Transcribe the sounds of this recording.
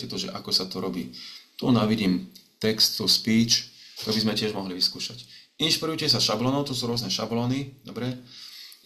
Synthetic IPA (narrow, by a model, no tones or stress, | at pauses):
ɛt̪ɔʒɛ̰ʔakɔsat̪ɔɾɔbḭːt̪unaʋiɟiːmt̪ɛkst̪ːuspiːt͡ʃt̪ɔbizmɛcɪɛʒmɔɦliʋiskuːʃacinʃpiɾujucɪɛs̬aʃablɔːnɔʊt̪ɔsuːɾʊɔznɛʃablɔːnid̪ɔbɾɛ